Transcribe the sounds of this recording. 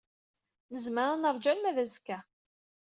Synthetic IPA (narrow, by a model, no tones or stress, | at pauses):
nəzməɾˤanəɾˤd͡ʒælmæðæzkːæ